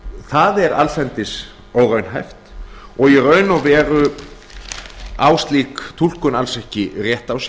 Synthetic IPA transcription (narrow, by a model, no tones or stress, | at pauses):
θaðɛɾalfɛnt̪ɪs | owrœɥnɦajft̪ɔɣirœːɥnavɛːɾʏ | aːwst̪liːkt̪ʰul̥kʏnalsɛhcɪrjɛht̪aws